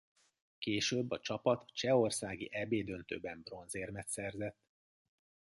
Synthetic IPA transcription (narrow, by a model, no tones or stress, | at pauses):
keːʃøːbːɒt͡ʃɒpɒt̪t͡ʃɛo̞rsaːɡḭʔɛbeːd̪ønt̪ø̰ːbɛmbro̞nzeːrmɛt̪sɛrzɛt̪ː